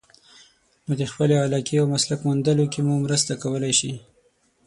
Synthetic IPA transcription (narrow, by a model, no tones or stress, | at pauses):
mud̪expəleɑlɑkeawmaslakmund̪əlokemumɾəst̪akawəlajʃi